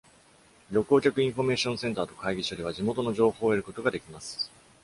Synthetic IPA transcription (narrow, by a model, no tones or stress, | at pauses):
ɾʲo̞kɯoːkʲakɯ̟ĩɰ̃ɸo̞me̞ːɕõ̞ɰ̃sẽ̞nt̪aːt̪o̞kaiɡʲit͡ɕioɾʲiβ̞aʑimo̞t̪o̞no̞ʑo̞ːho̞ːeɾɯ̟ko̞t̪o̞ɡad̪e̞kʲimasɨ̥